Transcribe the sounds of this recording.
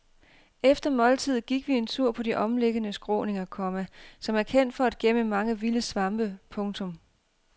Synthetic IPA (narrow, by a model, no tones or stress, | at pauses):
efd̥ɐmɒ̽lt͡sʰið̞̰ˠɡ̥iɡ̥ʋie̝nt͡sʰuɐ̰pʰɒ̽d̥iʔɒ̽mleɡ̥ənəsɡ̥ʁɔ̰ːne̝ŋɐkʰɒ̽mæsɒ̽mæɐkʰen̰d̥fɒ̽æd̥̚ɡ̥eməmɑ̈ŋəʋiləsʋɑ̈mb̥əpʰɔ̽ŋt͡sʰɔ̽m